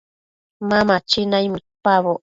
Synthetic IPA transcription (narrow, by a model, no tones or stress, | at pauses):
mamat͡ʃinajmut̪paβo